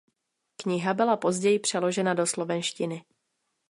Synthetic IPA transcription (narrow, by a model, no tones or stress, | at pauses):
kɲɪɦabɪlapo̞zɟɛjɪpr̥ɛlo̞ʒɛnado̞slovɛnʃcɪnɪ